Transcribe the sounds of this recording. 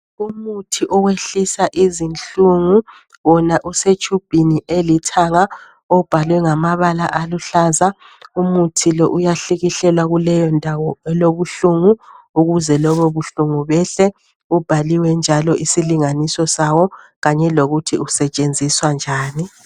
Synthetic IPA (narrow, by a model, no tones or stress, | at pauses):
umutʰiʔɔweɬisaʔizint͡ɬʼuŋu | wɔnaʔuset͡ʃʰʼub̥ʱiniʔelitʰaŋa | ɔb̥ʱalwɛŋamaβala̰ʔaluɬaːza | umutʰilɔʔujaɬiɣiɬɛlwaɣulɛjɔndʱawɔɛloβuɬuŋu | uɣuzɛlɔβɔβuɬuŋuβɛɬɛ | ub̥ʱaliwɛnd͡ʒʱalɔisiliŋanisɔsawɔ | ɣaɲɛloɣutʰiusɛt͡ʃʼend͡zʱiswand͡ʒʱaːni